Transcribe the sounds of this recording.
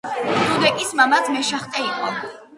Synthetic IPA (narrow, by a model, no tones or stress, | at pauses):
unud̪ɛkʼismamat̪ʰmɛʃaχt̪ʼɛiqʼɔ